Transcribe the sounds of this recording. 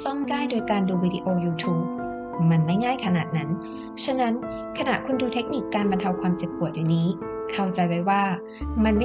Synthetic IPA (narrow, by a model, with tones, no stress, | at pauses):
t̪ɔ˥˩ŋdaː˥˩jdoː˧jkaː˧nduː˧wiː˧di˧ʔoː˧juː˧t̪ʰuː˦˥p̚ | ma˧nma˥˩jŋaː˥˩jkʰa˧naː˨˩t̪̚na˦˥n | t͡ɕʰa˦˥na˦˥n | kʰa˧na˨˩ʔkʰu˧nduː˧t̪ʰe˦˥k̚ni˨˩kːaː˧nba˧nt̪ʰa˧wkʰwaː˧mse˨˩p̚pu˨˩ət̪̚juː˨˩niː˦˥ | kʰa˥˩wt͡ɕa˧jwa˦˥jwaː˥˩ | ma˧nma˥